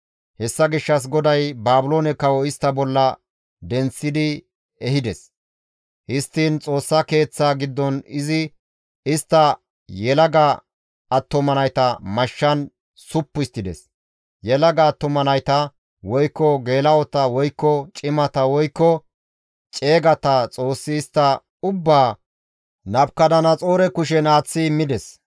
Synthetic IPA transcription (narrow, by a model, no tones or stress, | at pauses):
hɛsːɐɡɪʃːɐs̬ɡɔd̪ɐjbaːbʊloːnɛkːɐwɔɪst̪ːɐbɔlːɐ | d̪ɛnt͡sːɪd̪ɪ | ɛhɪd̪ɛs | hɪst̪ːiːnt͡sʼo̞ːsːɐke̞ːt͡sːaɡɪd̪ːɔnɪzɪ | ɪst̪ːɐ | jɛlɐɡɐ | ɐt̪ːʊmɐnɐjt̪ɐmɐʃːɐn | sʊpːʊɪst̪ːɪd̪ɛ̰s | jɛlɐɡɐːt̪ːʊmɐnɐjt̪ɐ | wɔjkːɔɡe̞ːlɐwɔt̪ɐwɔjkːɔt͡ʃʼɪmɐt̪ɐwɔjkːɔ | t͡ʃʼe̞ːɡɐt̪ɐt͡sʼo̞ːsːɪːst̪ːɐ | ʊbːaː | nɐbkɐd̪ɐnɐt͡sʼo̞ːɾɛkʊʃ̬ɛnaːt͡sːɪmːɪd̪ɛs